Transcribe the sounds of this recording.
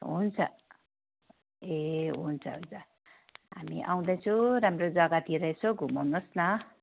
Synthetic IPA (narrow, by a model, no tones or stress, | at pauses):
ɦunt͡sʰʌ̰ | eɦunt͡sʰʌ̰ɦojd͡zʌ | ɦa̰mḭʔaw̃d̪ʌjt͡sʰuɾamrod͡zʌɡat̪ʰiɾʌet͡sʰoɡʱumanosnʌ